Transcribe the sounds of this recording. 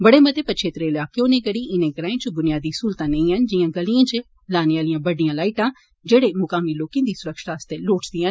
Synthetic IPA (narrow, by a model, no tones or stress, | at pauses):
bəɽeːmət̪eːpətt͡ʃʰeːt̪ɾeːɪlaːkeõːnẽːɡəɽiːɪnẽːkəɾãːẽːt͡ʃʊbʊnɪjaːd̪iːsuːlt̪ãːnə̃ĩːɦənd͡ʒɪãːɡəliãːt͡ʃ | laːneʋaːlijãːbəɖijãːlaːɪʈãː | d͡ʒeːɽeːmʊkaːmiːloːkẽːd̪iːsʊɾəkʃʈaːəst̪eːloːʈʰd̪iːɦən